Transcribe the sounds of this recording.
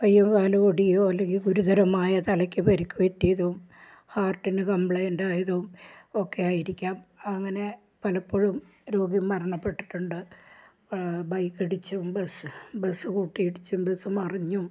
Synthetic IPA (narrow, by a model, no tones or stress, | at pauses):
kɐjːuŋkaːluoɽijoːɐlːe̞ŋɡilɡuɾuðɐɾɐmaːjɐt̪ɐlɐkʲːɨpɐɾikʲːupetːijɐðuum | haːrʈːinɨkɐmpɭɐjndajɐðuumo̞kːeaːjiɾikʲːaːmɐŋːɐne̞ | pɐlɐpːoːɻum | ɾo̞ːɡimːɐrɐɳɐpːe̞ʈːi̥ʈːuɳɖɨ | bɐjkːiɽit͡ɕːumbesɨbesɨkuːʈːijiɽit͡ɕːumbesːumɐriɲːu